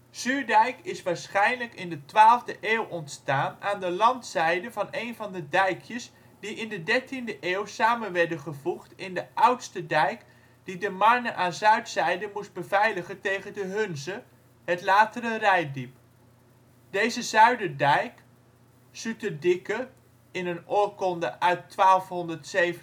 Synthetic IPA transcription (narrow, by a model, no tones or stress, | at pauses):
z̥yːɹdɛjkɪsʋaːɹsχɛjnləkɪndətʋaːlˠvdəʔeːwʔɔntstaːnaːndəlɑntsɛjdəvɑnejnvɑndədɛjkʰjəs | d̥iɪndədɛɹtindəʔeːwsaːmənʋɛɹdənχəvuχtɪndəʔʌwtstədɛjk | d̥idəmɑɹnəʔaːnzœɥtsɛjdəmusd̚bəvɛjləχəntejχəndəɦɵnzə | ɦətlaːtəɾərɛjdip | d̥ejzəzœɥdədɛjk | sytədɪkə | ɪnənoːkɔndəʔœɥtʋaːlˠfɦɔndəɹtsejv